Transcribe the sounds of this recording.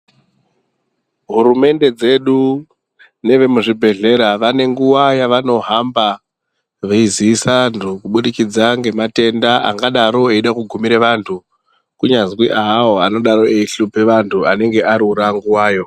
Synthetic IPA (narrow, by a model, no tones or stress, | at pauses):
ɦuɾume̞nde̞d͡ze̞ɗu | ne̞ʋe̞muʐibʱe̞ɮe̞ɾaʋane̞ŋɡuwajaʋano̞ɦamba | ʋeiziːsandʱukuɓuɗikid͡zaŋɡe̞mate̞ndaa̰ŋɡaɗaɾo̞eiɗakuɡʱumiɾeʋantʰu | kuɲazwiʔaɦːwoano̞ɗaɾo̞eiɬupeʋantʰuane̞ŋɡe̞ʔaɾiuɾaŋɡuwaːjo̞